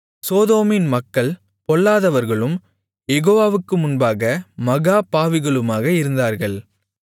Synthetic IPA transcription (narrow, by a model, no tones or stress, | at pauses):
soːðoːmɪnmɐkːɐɭ | pɔɭːaːðɐʋɐɾɣɐɭɯm | jɛɣoːʋaːʋɯkːɯmʊnbaːɣɐmɐɣaːpaːʋɪɣɐɭɯmaːɣɐɪɾɯnd̪aːɾɣɐɭ